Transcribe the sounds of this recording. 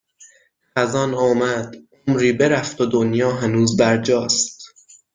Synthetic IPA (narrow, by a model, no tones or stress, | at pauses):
æzɒːnɒːmæd̪̥omɾiːbe̞ɾæft̪od̪onjɒːɦænuːzbæɾd͡ʒɒːst̪